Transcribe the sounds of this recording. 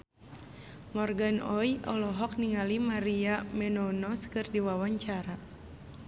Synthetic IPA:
mɔrɡanɔjʔɔ̰lɔɦɔk̚niŋalimaɾiamɛnɔnɔskɨrdiwawaɲt͡ʃaɾa

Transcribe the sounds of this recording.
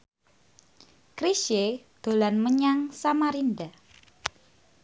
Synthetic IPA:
kɾiʃed̪̥o̤lanməɲaŋsamaɾinda

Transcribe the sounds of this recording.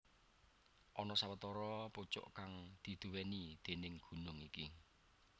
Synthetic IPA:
ʔɔnɔsawət̪ɔɾɔput͡ʃʊ̰ʔkaŋd̪̥i̤d̪̥ṳwɛnid̪̥e̤nɪŋɡ̥ṳnʊŋiki

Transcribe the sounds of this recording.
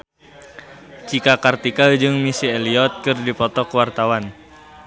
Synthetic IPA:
t͡ʃikakart̪ikald͡ʒɨŋmisieliɔt̪̚kɨrdipɔt̪ɔkəwart̪awan

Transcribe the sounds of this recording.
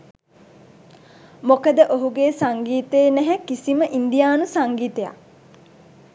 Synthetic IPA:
mokəd̪əʔoɦuɡeːsaŋɡiːt̪eːnɛɦɛkːisiməʔind̪ijaːnusaŋɡiːt̪eja̰

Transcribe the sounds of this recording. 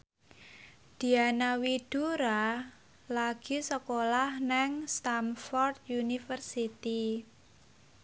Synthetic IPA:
d̪̥i̤anawid̪̥uɾa | laɡ̥i̤səkolahnɛŋst̪amfɔrd̪̚junifərsit̪i

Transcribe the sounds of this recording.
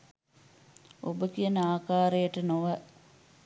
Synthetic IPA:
o̰bəkijənəaːkaːɾejəʈənoʋə

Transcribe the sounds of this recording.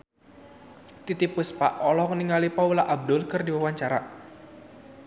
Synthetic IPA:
t̪it̪ipʊspa̰ʔɔlɔhŋəniŋalipaulaʔab̚dʊlkərdiwawaɲt͡ʃaɾa

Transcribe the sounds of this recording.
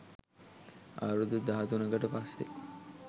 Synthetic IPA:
a̰ɾud̪ud̪aɦɐt̪unɐɡɐʈəpasːḛ

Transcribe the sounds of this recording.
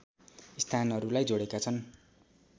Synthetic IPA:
ist̪ʰanɦʌɾulajd͡zoɽekat͡sʰʌn

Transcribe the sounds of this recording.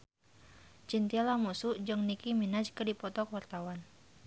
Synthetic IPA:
t͡ʃint̪ialamusuʔd͡ʒɔŋnikiminad͡ʒkədipɔt̪ɔkwart̪awan

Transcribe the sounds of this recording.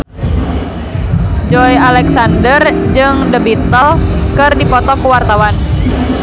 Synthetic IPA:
d͡ʒɔjalɛksandərd͡ʒɨŋdəbit̪əlkɨrdipɔt̪ɔkuwart̪awan

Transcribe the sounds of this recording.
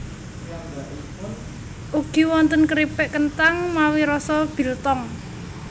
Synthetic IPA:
ʔuɡ̥i̤wɔnt̪ənkəɾipɛʔkənt̪aŋmawiɾɔsɔb̥i̤lt̪ɔŋ

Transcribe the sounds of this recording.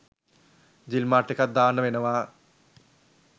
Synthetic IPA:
d͡ʑilmaːʈːikɐd̪aːnːɐʋenɐʋa

